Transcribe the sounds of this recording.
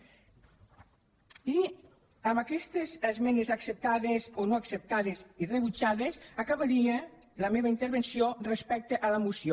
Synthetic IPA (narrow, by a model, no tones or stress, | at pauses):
i | amakɛst̪ezəzmɛnezaksep̚t̪aðezonoaksep̚t̪aðezireβut͡ʃaðesakaβaɾie | ləmeβaint̪eɾβensiorespɛk̚t̪eʔalamusjo